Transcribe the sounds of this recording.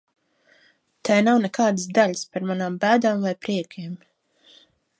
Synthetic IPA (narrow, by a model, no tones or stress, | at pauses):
t̪ʰajnawnɛkaːd̪ɨsd̪aʎʲspaɾmanaːmbæːd̪aːmvajpɾiɛkʲʰiɛm